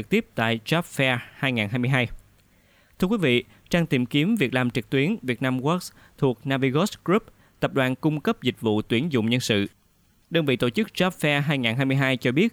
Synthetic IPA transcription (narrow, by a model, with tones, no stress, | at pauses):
ɨ˨˩k̚t̪i˦˥əp̚t̪a̰ː˧˨jza˦˥p̚fɛ˧haː˧jŋaː˨˩nɦaː˧jmɨ˧jɦaː˧j | t̪ʰɨ˧əkwi˨˦vḭ˧˨ | t͡ɕaː˧ŋt̪i˨˩mki˨˦əmvi˨˩ək̚laː˨˩mt͡ɕɨ˨˩k̚t̪wi˨˦ənvi˨˩ət̚naː˧mɣɔ˦˥k̚s | t̪ʰu˨˩ək̚naː˧vi˧ɣɔ˦˥skɹu˦˥p̚ | t̪ə˨˩p̚ɗwa̰ː˧˨nkʊ˧ŋ͡mkə˦˥p̚zï˨˩k̟̚vṵ˧˨t̪wi˨˦ənzʊ̰˧˨wŋ͡mɲə˧nsɨ̰˧˨ | ɗəː˧nvḭ˧˨t̪o̰˧˨˩t͡ɕɨ˦˥k̚za˦˥p̚fɛ˧ɦaː˧jŋaː˨˩nɦaː˧jmɨ˧jɦaː˧jt͡ɕɔ˧ɓi˦˥ət̚